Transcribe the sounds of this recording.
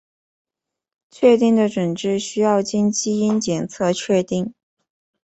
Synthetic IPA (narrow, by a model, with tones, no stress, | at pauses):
t͡ɕʰɥɛ˥˧t̪i˥˩ŋd̪ə˩ʈ͡ʂwə˨˩nʈ͡ʂɻ̩˥˩ɕy˥jɑ˥˩ʊt͡ɕi˥nt͡ɕi˥i˥nt͡ɕjɛ˨˩nt͡sʰɤ˥˧t͡ɕʰɥɛ˥˧t̪i˥˩ŋ